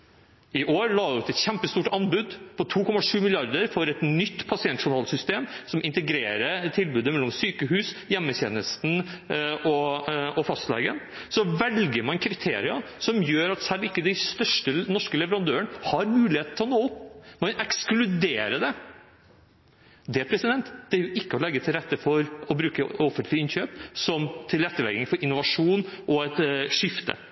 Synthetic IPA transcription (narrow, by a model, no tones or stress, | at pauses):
ɪʔoːɾlɑːʉt̪ɛt̪çɛmpəst̪uːʈɑnbʉd̪pʰɔt̪ʰuːkʰɔmɑʂʉːmɪlɪɑɾd̪əɾfɔɾɛt̪nʏt̪ːpʰɑsɪɛnt̪ʂʊnɑlsʏst̪eːmsɔmɪnt̪əɡɾeːɾət̪ʰɪlbʉːd̪əmɛlːɔmsyːkəɦʉːsjɛmːətḛːnəst̪n̩ | ɔɔfɑst̪lɛ̰ːɡə̰n | sɔʋɛlɡəɾmɑnkʰɾɪt̪ʰḛːɾɪɑ | sɔmjøːɾɑt̪sælːɪkːəd̪æɪst̪œʂʈənɔʂkəlɛʋəɾɑnd̪øːəɳhɑɾmʉːlɪheːt̪n̩t̪ʰːlɔnoːpmɑnʔɛksklʉd̪eːɾəd̪ɛ | d̪ɛæpʰɾɛsɪd̪ɛnt̪d̪̥ɛæɾjʊʔɪkːəɔlɛɡːət̪ʰɪlɾɛt̪ːəfɔɾɔbɾʉːkəɔfənt̪lɪəɪnçøːpsɔmt̪ʰɪlɾɛt̪ːəlɛ̰ɡɪŋfɔɾɪnːʊʋɑʂuːnʔɔɛt̪ʂɪft̪ʰə̰